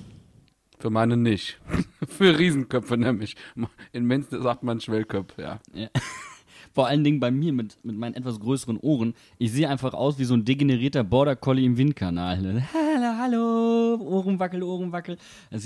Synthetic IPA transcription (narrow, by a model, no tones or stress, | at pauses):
fyːɐmaɪnənɪçtfyːɐʁiːzn̩kœpp͡fənɛːmlɪçmaɪnmɪnsnəzaːk̚tmanʃv̥ɛlkʰœfja̰ːjaː | foːɐʔaləndɪŋənbaɪmiːɐmɪtmɪt̚maɪnənʔɛtv̥asɡ̥ʁøːsəʁənʔoːʁ̞ən | ʔɪçz̥eːəʔaɪnfaχʔa̰ʊsv̥iːzoːndeɡeneʁiːɐtɐbɔɐɾɐkʰɔliɪmvɪnt̚kʰanaːlnɛhaloɦaloʔoːʁən̩vakl̩oːʁən̩vakl̩ | ʔɛs